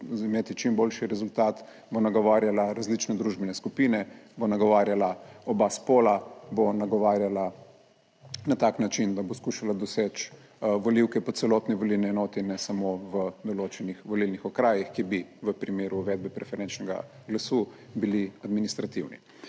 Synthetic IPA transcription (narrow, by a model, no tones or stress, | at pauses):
imeːt̪it͡ʃimboːlʃiɾɛzult̪aːt̪ | bonaɡɔʋaːɾjalaɾazlit͡ʃnɛd̪ɾuʒbɛnɛskupinɛbonaɡɔʋaːɾjalaɔbaspoːlabonaɡɔʋaːɾjala | nat̪aːknat͡ʃind̪aboskuʃalad̪ɔseːt͡ʃ | ʋoliwkɛpɔt̪t̪sɛloːt̪niʋɔlilniɛnɔːt̪ɛnːɛsamoʋəd̪ɔloːt͡ʃɛnixʋɔlilnixɔkɾaːjixkibiʋəpɾimeːɾuːʋɛːd̪̚bɛpɾɛfɛɾɛnt͡ʃnɛɡa̰ | ɡlasu | biliad̪minist̪ɾat̪iwnḭ